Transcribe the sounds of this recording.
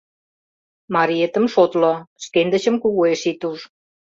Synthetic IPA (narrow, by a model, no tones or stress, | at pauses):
mɑɾiet̪ə̆mʃot̪loʃk̪end̪ə̆t͡ɕə̆mkuɣoeʃit̪uʃ